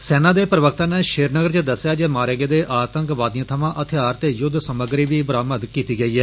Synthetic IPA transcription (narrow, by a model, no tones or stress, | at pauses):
sɛːnãːd̪eːpəɾəʋək̚ʰt̪ãːneːʃeːɾnəɡəɾt͡ʃəd̪əsːjaːd͡ʒeːmaːɾeɡeːd̪eːʔaːt̪əŋkʋaːd̪iãːt̪ʰəmãːʔət̪ʰːaːɾt̪eːjʊd̪ʱsəməɡɾiːʋiːbəɾaːməd̪kiːt̪iːɡəiːɛː